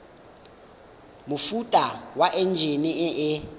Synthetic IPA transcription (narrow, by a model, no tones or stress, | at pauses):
mufutʼawaʔɛnd͡ʒʱeniɛʔɛ